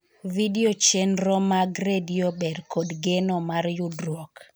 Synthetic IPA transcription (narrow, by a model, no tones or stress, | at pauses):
vidiot͡ʃenɾɔmaɡɾediobɛdkodɡenɔmarjudrwɔk